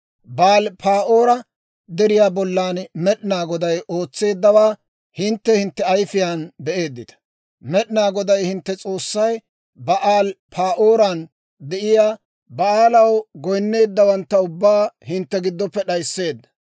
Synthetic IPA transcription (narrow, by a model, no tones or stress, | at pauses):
baːlpʰaːʔoːɾɐ | d̪ɛɾɪjaːbɔlːaːnmɛɗɪnaːɡɔd̪ɐjʔo̞ːt͡sːe̞ːd̪ːɐwaː | hɪnt̪ːɛhɪnt̪ːɛɐjfɪjaːnbɛʔe̞ːd̪ːɪt̪ɐ̥ | mɛɗɪnaːɡɔd̪ɐjhɪnt̪ːɛt͡sʼo̞ːsːɐj | bɐʔaːlpʰaːʔo̞ːɾan | d̪ɛʔɪjaː | bɐaːlɐwɡɔjnːe̞ːd̪ːɐwɐnt̪ːɐʊbːaːhɪnt̪ːɛɡɪd̪ːɔpːɛɗɐjsːe̞ːd̪ːɐ̥